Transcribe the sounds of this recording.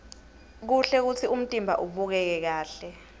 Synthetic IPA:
k̬uɬɛk̬utʰium̩tʼimbʱa̰ʔuɓuk̬ɛk̬ɛk̬aːɬɛ

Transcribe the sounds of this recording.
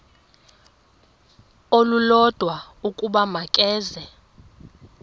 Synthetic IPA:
olulɔd̥ʱwa | ukʼuɓamakʼɛːzɛ

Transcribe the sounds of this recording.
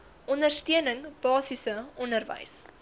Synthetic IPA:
ʔɔndərstiənəŋb̥ɑːsisəɔndərvə̰js

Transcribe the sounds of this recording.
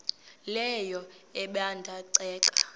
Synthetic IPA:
lɛjɔ | ɛɓandʱaǀɛːkʼḁ

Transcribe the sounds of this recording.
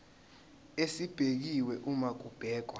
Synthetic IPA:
esib̥ʱek̬iwɛʔumak̬ʼub̥ʱɛːk̬wa

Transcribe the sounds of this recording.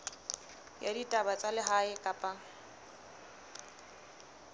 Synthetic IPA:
jaditʼabat͡sʼalɪɦaɪkʼapʼa

